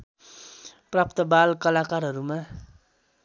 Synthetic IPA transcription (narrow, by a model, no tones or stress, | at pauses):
prap̚t̪ʌbalkʌlakarɦʌɾuma